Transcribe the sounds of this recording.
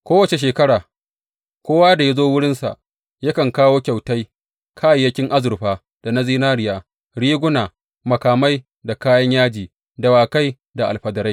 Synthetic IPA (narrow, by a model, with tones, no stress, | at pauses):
kʷoː˦wɐ˨t͡ʃe˨ʃ̬eː˨kɐ˦ɽaː˨ | kʷoː˦waː˦da˨ja˦zoː˦wʊ˦ɽɪ˦nsa̰˨ʔ | jɐ˦kɐ˨ŋkaː˦woː˦kʲa˨wta˦j | kʰaː˦ja˨jɐ˦kʲɪ˦ŋʔa˦zʊ˨ɾɸaː˦ | d̥a˨na˦ziː˦naː˦ɽɪ˦˨jaː˦ | ɽiː˦ɡʷʊ˦naː˨ | mɐ˨kaː˨ma˦j | da˨kaː˦jɐ˦ɲjaː˦d͡ʒiː˨ | da˨waː˨ka˦j | da˨ʔa˨lɸɐ˨dɐ˨ɾa˦j